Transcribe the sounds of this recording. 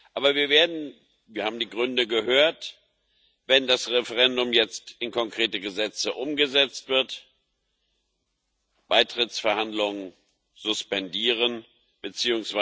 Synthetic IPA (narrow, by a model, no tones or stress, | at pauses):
ʔʔaːbɐviːɐveːɐdn̩ | viːɐhaːbm̩diːɡʁʏndəɡəhøːɐt | vɛndasʁɛfəʁɛndʊmjɛt͡stɪnkʰɔŋkʁ̥eːtəɡəzɛt͡səʔʊmɡəzɛt͡stv̥ɪɐt | b̥aɪtʁ̥ɪt͡sfɛɐhandlʊŋən | z̥ʊspɛndiːʁ̞ən | b̥ət͡siːʊŋsv̥a